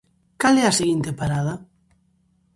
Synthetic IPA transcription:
kalɛɐseɣint̪epaɾaðɐ

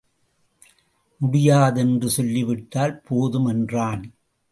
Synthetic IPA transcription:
mʊɽɪjaːðɛndrɯsɔlːɪʋɪʈːaːlpʰoːðɯmɛndraːn

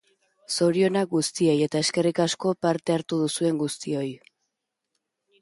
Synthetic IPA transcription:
so̞ɾio̞naɡust̪io̞je̞t̪ae̞ske̞rikasko̞paɾt̪e̞aɾt̪uðusue̞ŋɡust̪io̞j

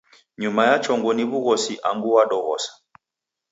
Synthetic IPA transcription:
ɲumajat͡ʃɔŋɡɔniβuɣɔsiʔaŋɡuwaɗɔɣɔ̰sḁ

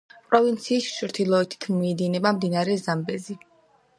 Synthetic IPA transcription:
pʼɾɔvint̪sʰiːst͡ʃɾt̪ʰilˠɔɛt̪ʰi̥t̪ʰmɔɛd̪inɛbamd̪inaɾɛzambɛzi

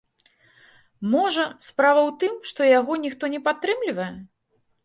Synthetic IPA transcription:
mɔʐɐspɾavɐwt̪ɨmʂt̪ɔjaɣɔnʲixt̪ɔnʲɛpat̪ːɾɨmlʲivɐjɛ

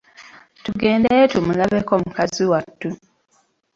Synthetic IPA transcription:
tuɡe̞ːndejetumulaβekomukaziwatːu

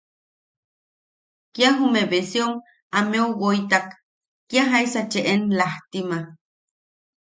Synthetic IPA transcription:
kjaɦumeβesjoŋ | ameowojt̪akː | jaɦaisat͡ʃeʔenlaht̪ima

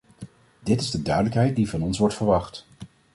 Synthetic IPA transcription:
dɪtɪzdədœɥdələkɦɛjt̚divɑnɔnsʋɔɹtfəɹʋɑχt

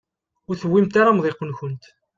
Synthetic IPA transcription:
ʊɾθəwːimt̪aɾamðˤeqːənçənt̪

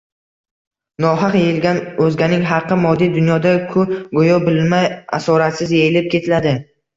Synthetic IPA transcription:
nɒɦɑqjejɪlɡʲanɵzɡʲanɪŋɦɑqʰːɨmɒd̪ːijd̪ʊnjɒd̪akʰʊɡojɒbɪlmaja̰sɒɾat̪sɪzjejɪlɪp̚kʲʰe̞t̪ʰɪlad̪ɪ

